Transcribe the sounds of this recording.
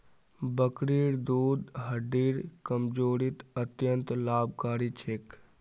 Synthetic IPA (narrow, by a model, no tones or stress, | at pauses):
bəkɾiɾd̪ud̪ɦəɖiɾkəmd͡ʒoːɾit̪ət̪jənt̪laːb̚ʱkaːɾit͡ʃʰek